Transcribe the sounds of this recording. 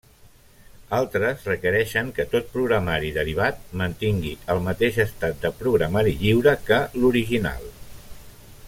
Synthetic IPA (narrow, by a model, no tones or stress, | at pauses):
alˠt̪ɾəzrəkəɾɛʃəŋkət̪ot̪̚pɾuɣɾəmaɾiðəɾiβ̞at̪̚mənt̪iŋɡiəlˠmət̪eʃəst̪at̪̚d̪əpɾuɣɾəmaɾiʎiwɾəkəluɾiʒina̰lˠ